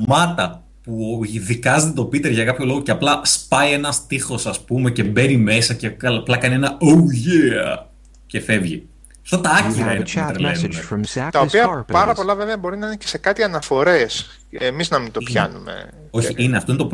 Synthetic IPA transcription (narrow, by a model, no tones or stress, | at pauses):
mɐt̪ɐ | puðikɐzt̪et̪o̞pit̪eɾʝɐkɐpço̞loɣo̞ceɐplɐspɐie̞nɐst̪ixo̞sɐspume̞ce̞be̞nime̞sɐcekɐlplɐkɐnienɐowʝeɐ̰ | ce̞fe̞vʝḭ | sot̪ɐɐciɾɐt̪ɾelenunet̪ɐopiɐpɐɾɐpo̞lɐveveɐbo̞ɾinɐinecese̞kɐt̪iɐnɐfo̞ɾe̞s | emiznɐmint̪opçɐ̰numḛ | o̞çiineɐft̪oinet̪op